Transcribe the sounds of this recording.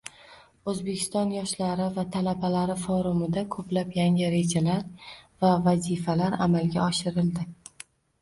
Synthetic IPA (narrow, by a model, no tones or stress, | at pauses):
ɵzbekʲʰɪ̥st̪ɒnjɒʃlaɾɪvat̪ʰalabalaɾɪfɒɾʊmɪd̪akʰɵplapjaŋʲɪɾe̞d͡ʒalaɾvavazifalaɾamalɡʲaɒʃɪɾɪld̪ɪ